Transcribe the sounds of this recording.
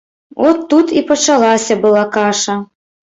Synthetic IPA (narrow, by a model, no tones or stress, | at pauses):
ɔt̪ːut̪ipɐt͡ʂalˠasʲɐbɨlˠakaʂɐ